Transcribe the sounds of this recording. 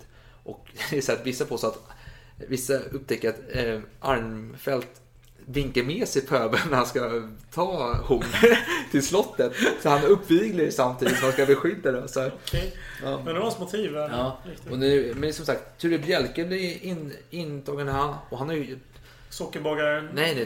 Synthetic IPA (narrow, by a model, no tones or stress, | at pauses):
ʔɔk̪ɛʂɛt̪ːvɪsːapʰɔɔsat̪ | vɪsːaɵp̚ːt̪ʰɛkːəɾat̪ʔaɾmfɛlt̪ | vɪŋkəɾmeːsɛjpʰøːbənæɾhanskat̪ʰɑːhuːt̪ʰɪlslɔt̪ːət̪sɔhanɵpːviːɡləɾsamt̪ʰiːd̪ɪt̪sɔmhanskabɛɧʏd̪ːad̪ɛsɔ | ɑːɛasmʊt̪ʰiːvjɑːɔnʉmɛnsɔmsakt̪ʰːʉːɾɛbjɛlkəblɪɾɪnɪnt̪ʰɑːɡənahanɔhanhaɾj | sɔkːəɾbɑːɡaɾnɛjnɛ